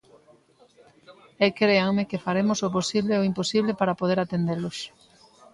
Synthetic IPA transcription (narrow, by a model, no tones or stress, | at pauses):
ekɾeaŋmekefaɾemʊsoposiβleoimposiβlepaɾapoð̞eɾat̪end̪eloʃ